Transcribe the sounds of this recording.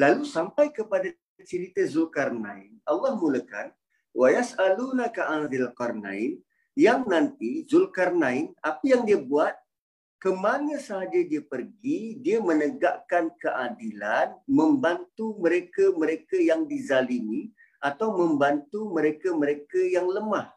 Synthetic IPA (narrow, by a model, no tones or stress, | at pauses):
lalusampajkəpada | t͡ʃiɾit̪əzulkarna̰ɪnalːahmuləka̰n | wʔajasalunakaʔanzilkarna̰ɪn | jaŋnãnt̪izulkarnaɪnapəjaŋdiəbuat̪̚ | kəmaɲasəɦad͡ʒadiəpərɡidiəmənəɡaʔkankəʔadilanməmbant̪uməɾekəməɾekəjaŋdizalimi | ʔat̪awmə̃mbant̪uməɾekəməɾekəjaŋləmah